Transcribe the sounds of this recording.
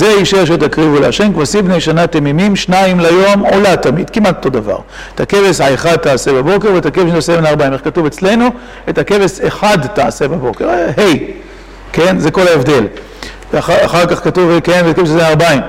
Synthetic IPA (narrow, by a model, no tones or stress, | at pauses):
zeiʃeʃ̬et̪̬akʁivuleaʃemkvasibnejʃanatemimimʃnaimlajo̞molat̪amid̥̪kimat̪ot̪o̞d̪ava̰ʁ | et̪ʰake̞vesaeχad̪̚t̪aːsebabo̞keʁvet̪akevesʃtaseminaʁbaimeχkatuve̞t͡sle̞nu | etake̞veseχadtaasebabo̞ke̞ʁhe̞j | ke̞nze̞ko̞laevd̪e̞l | aaχaʁkaχkatuvkenvetakevessenaʁbaim